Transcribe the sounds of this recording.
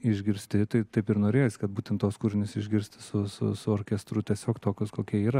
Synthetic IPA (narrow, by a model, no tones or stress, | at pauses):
ɪʒʲɡʲɪɾʲsʲt̪ʲɪt̪ɐɪt̪ɐɪpɪɾnoːɾʲeːjosʲɪ̥kɐt̪̚buːt̪ʲɛnt̪t̪ːoːskuːɾʲɪnʲɪsɪʒʲɡʲɪɾʲsʲt̪ʲɪ̥sʊsʊ̰sʊoːɾʲkʲɛst̪ɾʊt̪ʲiɛsʲoːkt̪oːkʲʊskoːkʲiɛiːɾɐ